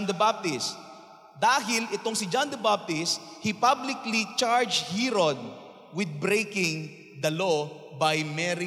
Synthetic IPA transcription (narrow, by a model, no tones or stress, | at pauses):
nd̪ɐbab̚t̪ɪs | d̪aːɦɪlɪt̪oŋsɪd͡ʒand̪ɐbab̚t̪ɪshipablɪklit͡ʃaɹd͡ʒhiɾod̪̚ | wɪd̪̚bɾejkɪ̃ŋ | d̪ɐlo | bajmɛɾi